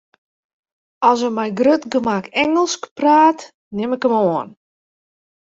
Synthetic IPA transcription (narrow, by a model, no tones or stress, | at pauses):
ɔlˠsəmɛjɡrøtɡəmakɛŋəlˠskpraːt | nɪmɪkəmoən